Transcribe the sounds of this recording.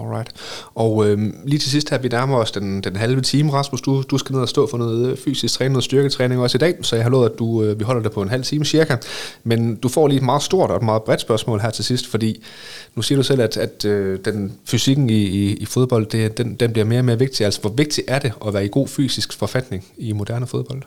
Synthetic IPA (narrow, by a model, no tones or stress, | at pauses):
ɔlʁɑ̈ɪd̥ʔɒ̽ʊøliːt͡sʰe̝ls̬isd̥hæɐ̰ʋinæɐmɐɒ̽sd̥end̥enɦælʋət͡sʰiːməʁɑ̈smusd̥ud̥usɡ̥æne̝ð̰ˠæsd̥ɔ̰̽ːfɒ̽noːð̩ˠfy̰ːsisɡ̥t͡sʰʁɛːnoːð̩sd̥yɐɡ̥ət͡sʰʁɛːne̝ŋɒ̽sid̥ɛ̰ːsɒ̽jɑ̈hɑlo̰ːðˠæd̥uøʋiɦɒ̽l̰ɐd̥epʰɒ̽e̝nɦæl̰t͡sʰiːməɕiɐɡ̥ɐmend̥ufɒ̰ːliːed̥mɑ̈ːð̞̩ˠsd̥o̝ɐ̰d̥ɒ̽ed̥mɑ̈ːð̩ˠb̥ʁɛd̥sb̥ɶɐsmɔ̰ːlɦæɐ̰t͡sʰe̝lsisd̥fɒ̽d̥ḭː | nusiːɐɾ̥usel̰æd̥æd̥ød̥enfysiɡ̥n̩iːfo̝ð̞ˠb̥ɒ̽l̰d̥ed̥end̥enb̥liɐme̝ːɐɒme̝ːɐʋe̝ɡ̥̚d̥iæl̰sɒ̥ʋɒ̽ʋe̝ɡ̥̚d̥i̥ʔæɐɾ̥e̝ʔɒ̽ʋæːɐiɡ̥o̝̰ːfy̰ːsisɡ̥fɒ̽fæd̥ne̝ŋimo̝d̥æɐnəfo̝ðˠb̥ɒ̽l̰d̥